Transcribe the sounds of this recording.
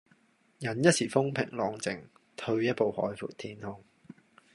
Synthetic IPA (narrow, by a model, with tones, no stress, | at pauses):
jɐ˨˥njɐ˥t̚siː˨˩fʊ˥ŋpʰɪ̰˨˩ŋlɔː˨˧ŋt͡sɪ˨ŋt̪ʰɵ˧ɥjɐ˥t̚po˨whɔ̰ː˨˥jfṵː˨˩t̚t̪ʰːiː˧nhʊ˥ŋ